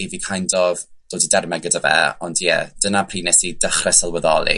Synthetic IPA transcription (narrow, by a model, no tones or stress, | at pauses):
ivikʰajndɔvd̥oːdidɛrmɛɡɛdəvɛ̰ɔndjɛ̰d̥ənapʰriːnɛsid̥əχrɛsalˠwəðɔlˠḭ